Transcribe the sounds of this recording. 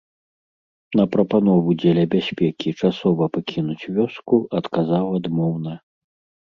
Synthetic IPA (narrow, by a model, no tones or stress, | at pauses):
nɐpɾɐpan̪ɔvud͡zʲɛlʲɐbʲasʲpʲɛkʲit͡ʂasɔvɐpakʲinut͡sʲvʲɔskuɐt̪kazawad̪mɔwnɐ